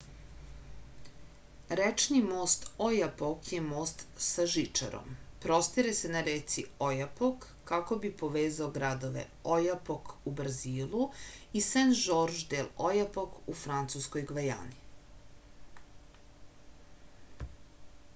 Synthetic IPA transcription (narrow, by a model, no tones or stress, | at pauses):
ɾet͡ʃnimoːst̪ojapokjemoːst̪saʒit͡ʂa̰ɾo̰mpɾost̪iɾesenaɾeːt̪siojapokːako̞bipo̞ʋeːzaoɡɾad̪o̞ʋḛ | ojapokubrziːlˠuisenʒoɾʒd̪elˠojapokufɾant̪suskojɡʋaja̰ːni